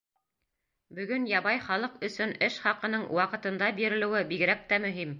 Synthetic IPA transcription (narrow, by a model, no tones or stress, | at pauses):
bɵ̆ɡɵnjɑβɑjχɑlˠɤqɵ̆sɵnɘʃχɑqɤ̆nɤɴwɑqɤ̆t̪ɤ̆nd̪ɑbiɾɘ̆lɘ̆wɘbiɡɾæp̚t̪æmɵ̆ɦim